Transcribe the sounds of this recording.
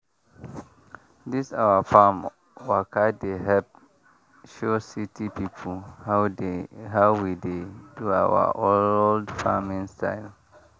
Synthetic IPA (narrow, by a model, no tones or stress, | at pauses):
disawafam | wakʰadeɦɛp̚ | ʃositʰipʰipʰoha | ɦaʊwidedua̰wa̰ʔoldfamĩnstʰa̰ɪl